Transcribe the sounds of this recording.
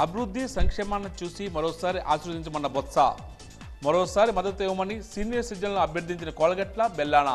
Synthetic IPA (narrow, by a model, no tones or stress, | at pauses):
ɐbʱiɾud̪ʱːisɐŋkʂɛːmɐnːɐt͡ʃuːsimɐɾɔːsaːɾiʔa̰ːʃɾud̪ʱiɲt͡ʃɐmɐnːɐbɔt̪sa̰ | mɐɾɔːsaːɾimɐd̪ɐt̪ɛːʋɐmɐnisiːnijɐɾsiːd͡ʒɐnlɐnuɐbʱjɐɾd̪ʱiɲt͡ʃinɐkɔːlɐɡɐʈlɐbɛlːaːnɐ̰